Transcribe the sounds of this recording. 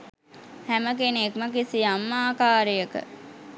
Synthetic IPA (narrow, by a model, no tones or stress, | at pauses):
hæməkenekməkisiamːaːkaːɾijəkə̰